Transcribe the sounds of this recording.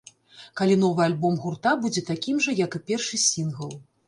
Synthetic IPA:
kalʲin̪ɔvɨalʲbɔmɣurt̪abud͡zʲɛt̪akʲimʐɐjɐkɨpʲɛrʂɨsʲinɣɐlˠ

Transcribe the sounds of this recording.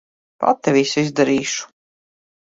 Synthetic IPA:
pa̰t̪ːɛviːsizd̪aɾiːʃu̥

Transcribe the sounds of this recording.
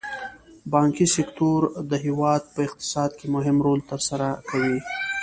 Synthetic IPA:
bɑŋkisɪkt̪oɾd̪əɦiwɑd̪̚pəɪqt̪ɪ̥sɑd̪kemʊɦɪmɾolt̪əɾsaɾakawi

